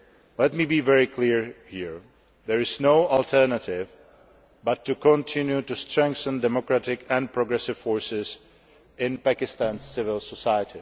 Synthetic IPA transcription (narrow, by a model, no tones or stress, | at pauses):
lɛt̚miːbivɛɹikʰliɹhiɹ | ðɛɹɪznoʊɔlˠtʰɛ˞nətɪv | batʰːukʰɔ̃ntʰɪ̃njutustɹ̥ɛ̃ŋk̚θə̃ndɛmɔkɹatɪkʰɛ̃npʰɹɔɡɹɛsɪv̥fɔɹsɪz | ɪ̃npakɪstãnssɪvɪlˠsɔsajətʰi